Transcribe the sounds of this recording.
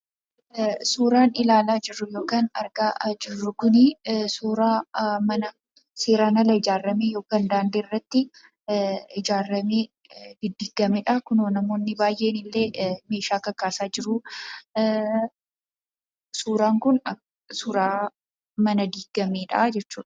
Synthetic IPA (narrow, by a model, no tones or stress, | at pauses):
suːɾaːnɪlaːlaːd͡ʒɪrːʊjo̞ːkaːnɐ̰ɾɡaːd͡ʒɪrːʊkʊnɪsuːɾaːmɐnɐ | seːɾaːnɐlɐɪd͡ʒaːrːɐmejo̞ːkaːnd̪aːnd̪erːɐt̪ːɪ | ɪd͡ʒaːrːɐmeː | d̪ɪd̪ɪːɡɐmɛᶑɐkʊnoːnɐmo̞ːnːɪbaːjʔe̞ːnɪlːe̞ːme̞ːʃaːkɐkːaːsaːd͡ʒɪɾʊ | suːɾaːŋkʊnɐ | suːɾaː | mɐnɐd̪iːɡɐmeːᶑɐ̰d͡ʒɛt͡ʃːuːᶑɐ̥